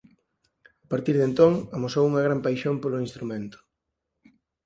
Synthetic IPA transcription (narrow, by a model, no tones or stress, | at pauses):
apaɾt̪iɾðent̪oŋamosowuŋɐɣ̞ɾampajʃompoloinst̪ɾumẽnt̪ʊ̥